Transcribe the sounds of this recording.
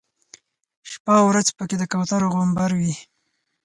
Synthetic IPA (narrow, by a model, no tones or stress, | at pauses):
ʃpawɾazpəked̪əkawt̪aɾoɣombaɾwi